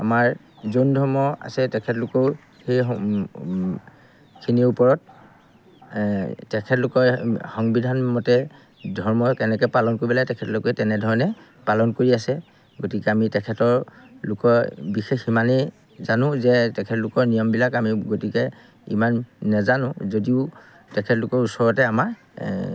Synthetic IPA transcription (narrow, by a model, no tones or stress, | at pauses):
a̰maɹ | zondʱɔɹmɔa̰sɛtɛkʰɛtlʊkɔʊ | xejɔ | kʰiniupɔɹɔt̚ | tɛkʰɛtlʊkɔɹxɔŋbidʱanmɔtɛ | dʱɔɹmɔkɛnɛkɔjpalɔnkoɹibilajtɛkʰɛtlʊkɛtɛnɛdʱɔɹɔnɛ | palɔnkoɹiasɛ | ɡotikɛamitɛkʰɛtɔɹlʊkɔɹbixeximanɛ | zanʊ̃zɛtɛkʰɛtlʊkɔɹnijɔmbilakamiɡotikɛ | imanːɛzanʊ̃zodiʊ | tɛkʰɛtlʊkɔɹusɔɹɔtɛamaɹ